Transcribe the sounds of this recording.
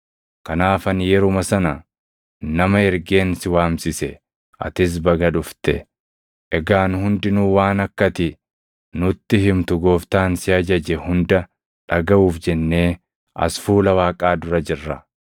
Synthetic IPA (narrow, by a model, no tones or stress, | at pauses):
kɐnaːfɐnjɛɾʊmɐsɐnɐ | nɐmɐɛɾɡe̞ːnsɪwaːmsɪsɛ | ʔɐ̰t̪ɪs̬bɐɡɐᶑʊft̪ɛ | ʔɛɡaːnhʊnd̪ɪnuːwaːnɐkːɐt̪ɪ | nʊt̪ːɪɦɪmt̪ʊɡoːft̪aːnsɪɐd͡ʒɐd͡ʒɛhʊnd̪ɐ | ᶑɐɡɐʔuːfd͡ʒɛnːe̞ː | ʔɐ̰sfuːlɐwaːkʼaːd̪ʊɾɐd͡ʒɪrːɐ